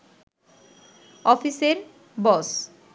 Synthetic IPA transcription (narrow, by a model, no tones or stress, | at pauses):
ɔfiseɾ | bɔs